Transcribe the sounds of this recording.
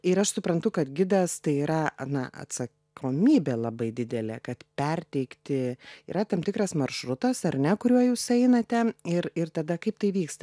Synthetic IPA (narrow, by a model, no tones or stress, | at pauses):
ɪɾɐʃsʊpɾɐnt̪ʊkɐt̪ɡʲɪd̪ɐst̪ɐɪiːɾɐɐnɐʔɐ̰t̪sɐ | kʰoːmʲiːbʲeːlˠɐbɐɪd̪ʲɪd̪ʲɛlʲḛːkɐt̪pʲɛrʲt̪ʲɛɪkt̪ʲɪḭːɾɐt̪ɐmt̪ʲɪkɾɐsmɐrʃɾʊt̪ɐsɐrnʲɛkʊɾʲuɔjuːsɛɪnɐt̪ʲɛɪɾɪrt̪ɐd̪ɐkɐɪp̚t̪ɐɪʋʲiːkst̪ɐ